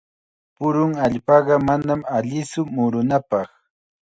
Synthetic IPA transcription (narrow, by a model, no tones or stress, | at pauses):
pʊɾʊŋaʎpɑɢɑmanamaʎɪsʊmʊɾʊnapɑχ